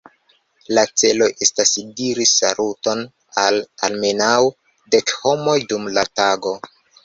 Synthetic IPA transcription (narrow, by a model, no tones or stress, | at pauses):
lat͡se̞lo̞jʔe̞stasdiɾisa̰luto̞n | alalme̞naw | de̞kho̞mo̞jdumlataɡo̞